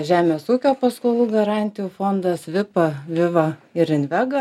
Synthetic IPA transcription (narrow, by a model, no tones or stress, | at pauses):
ʒʲæːmʲeɛsuːkʲoːpɐskolˠuːɡɐɾɑˑnʲt̪ʲɪjuːfoːnd̪ɐsʋʲɪpɐʋʲɪʋɐɪɾɪnʲʋʲæɡɐ